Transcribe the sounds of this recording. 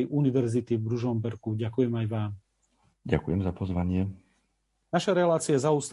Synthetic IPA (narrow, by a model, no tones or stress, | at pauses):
jʔuniʋɛɾzit̪ivbɾuʒɔmbɛɾkuɟakujɛmajʋaːm | ɟa̰kujɛmzapɔzʋaɲɪɛ | naʃaɾɛlaːt͡siɪazauːst̪